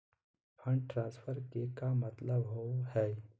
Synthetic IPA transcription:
pʰə̃ɳɖʈɾãːnspʰəɾkekamət̪ləbɦohɛː

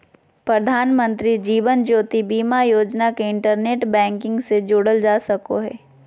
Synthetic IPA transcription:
pɾɐd̪ʱaːnmə̃nt̪ɾid͡ʒiːʋənd͡ʒoːt̪ibiːmajoːd͡ʒnakeɪ̃ɳʈəɾneːʈbɛ̃ːŋkɪ̃ŋɡsed͡ʒoːɽəld͡ʒaːsɐko̰ɦɛ̰ː

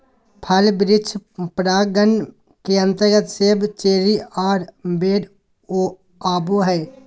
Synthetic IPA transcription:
pʰəlbɾɪt͡ʃʰpɾaːɡən | keə̃nt̪əɾɡət̪sebt͡ʃeːɾiaːɾbeːɖ | oː | aːboːɦɛː

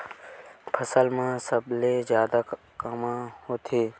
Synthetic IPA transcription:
pʰəsəlmãːsəbleːzjaːd̪aː | kəmãːhoːt̪ʰeː

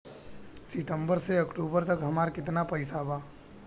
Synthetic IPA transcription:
sɪt̪əmbəɾseəkʈuːbəɾt̪əkɦəmaːɾkɪt̪̬napəɪsabaː

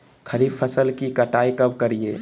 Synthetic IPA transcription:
kʰɐɾiːbpʰːəsəlkikɐʈaːikɐbkɐɾieː

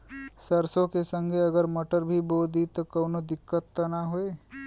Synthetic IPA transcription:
sɐɾsõkesə̃ŋɡʱeɐɡəɾmɐʈəɾbʱiboːd̪ʱit̪okɐːnod̪ɪkːət̪ːənaɦoeː

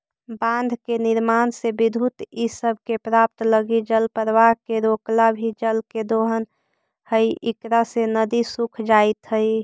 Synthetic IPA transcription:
bãnd̪ʱkeniɾmansebid̪ʱut̪isəbʱkepɾap̚t̪ləɡid͡ʒəlpəɾʋaɦkeɾoklabʱid͡ʒəlked̪oɦən | həiʔikɾasenəd̪isukʰd͡ʒait̪ɦəi

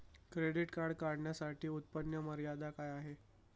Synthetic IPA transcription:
kɾeɽiʈkaɾɽkaɾɳjasaʈiːut̪̚pənjəməɾjad̪akajaɦe

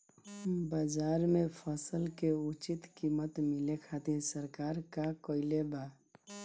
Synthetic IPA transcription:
bəd͡ʒaɾmepʰəsəlkeut͡ʃit̪kimət̪milekʰat̪iɾsəɾkaɾkakəileba

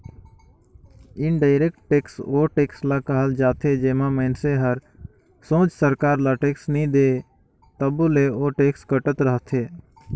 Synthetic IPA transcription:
ɪnɖaːɪɾek̚ʈːeːksoːʈeːkslakəɦəld͡ʒaːt̪ʰed͡ʒeːmãːməɪnseɦəɾ | sõːt͡ʃsəɾkaːɾlaːʈeːksnĩd̪eː | t̪əbuleoːʈeːkskəʈət̪ɾəɦt̪ʰeː

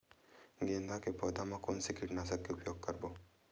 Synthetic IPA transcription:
ɡẽːnd̪akepɔːd̪amãkʊːnsekiʈnasɐkːeʊpjoːɡ̚kɐɾboː

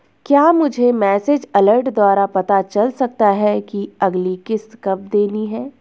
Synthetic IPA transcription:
kjaːmʊd͡ʒʱemɛːsed͡ʒɐləɾʈd̪waːɾapɐt̪at͡ʃɐlsɐk̚t̪aɦɛkiɐɡlikɪskɐb̚d̪eːniɦɛː

